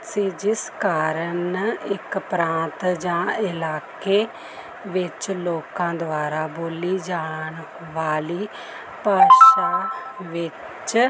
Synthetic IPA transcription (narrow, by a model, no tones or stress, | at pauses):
siːd͡ʒɪskaːɾənɪkpɾãːnt̪d͡ʒãːɪlaːkeː | ʋɪt͡ʃloːkãːd̪ʊaːɾaːboːliːd͡ʒaːɳ | ʋaːliː | paːʃaːʋɪ | t͡ʃ